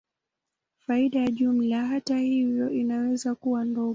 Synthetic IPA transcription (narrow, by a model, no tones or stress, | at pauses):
faiɗajaʄum̩laɦatahivjɔʔinawɛzakuwandɔ